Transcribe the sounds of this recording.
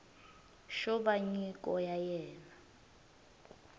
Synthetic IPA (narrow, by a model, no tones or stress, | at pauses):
ʃɔɓaɲikʼɔjajɛːna